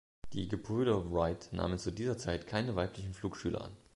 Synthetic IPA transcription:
d̥ḭːɡəpʰʏʏdɐʁaɪtna̰ːmənt͡sudiːzɐt͡saɪtkʰaɪnəvaɪplɪçn̩fl̥uːkʃyːlɐ̰ʔa̰n

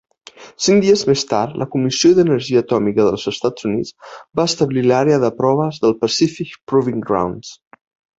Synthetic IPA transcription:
siŋd̪iəzmest̪a̰ɾt̪lʔəkumisioðənəɾʒiəːt̪ɔmikəðəlˠzəst̪az̥unit͡sbaəst̪əβlilaɾeəðəpɾɔβ̞əzðəlˠpəsifikpɾuβiŋɡɾa̰wns

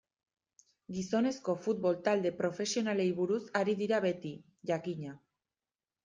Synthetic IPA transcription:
ɡiso̞ne̞sko̞fut̪̚βo̞lt̪ald̪e̞pɾo̞fe̞sio̞nale̞jβuɾusaɾiðiɾaβe̞t̪i | ʝakiɲa

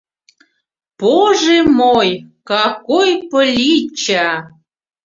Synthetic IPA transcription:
poʒemojkɑkojpəlʲit͡ɕɑ

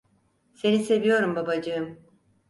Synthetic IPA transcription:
se̞nise̞vijo̞ɾumbabad͡ʒɯɯm

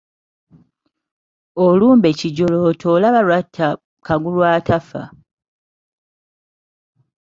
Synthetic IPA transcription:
oluːmbe̞ciɟoloːtʰolaβalwatʰːa | kaɡulwaːtafa̰

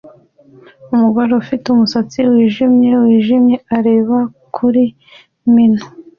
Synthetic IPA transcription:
umuɡaɾofitumusat͡siwiːʒimɲe̞wiːʒimɲe̞aɾe̞ːβakʰuɾi | min̥u

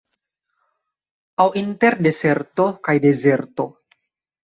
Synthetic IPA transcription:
awint̪eɾdeseɾt̪okajdezeɾt̪o

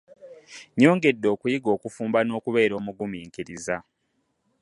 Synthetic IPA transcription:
ɲo̞ːŋɡe̞dːo̞ːkujiɡo̞ːkufuːmbano̞ːkuβe̞ːɾo̞ːmuɡumiːŋkiɾiza

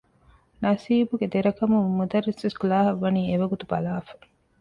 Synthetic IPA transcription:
nɐsiːbuɡed̪eɾɐkɐmumːud̪ɐɾːisʋɐskulaːɦɐʋːɐniːeʋɐɡut̪ubɐlaːfɐ̥

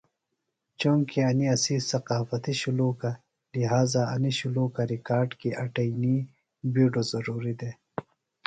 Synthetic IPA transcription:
t͡ʃoŋkiɐniɐsisɐqaːfɐt̪iɕuluːka | liɦaːzaɐniɕuluːkaɾikaːɾɖkiʔɐʈɐjni | biːɖozɐɾuːɾid̪eː

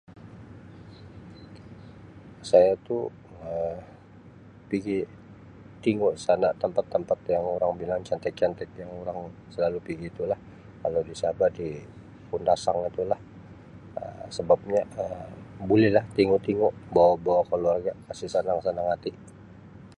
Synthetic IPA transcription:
sajat̪u | ə | piɡi | t̪iŋoʔsanaʔt̪əmpat̪ːəmpat̪jaŋoɾaŋbilaŋt͡ʃant̪ɛk̚t͡ʃant̪ɛkjaŋoɾaŋsəlalupiɡit̪ulah | kalawdisabadi | pundasaŋit̪ulah | ə̰msəbap̚ɲaəmbulɛhlaht̪iŋʊʔt̪iŋoʔbawabawakaluarɡaʔkasisanaŋsanaŋat̪i

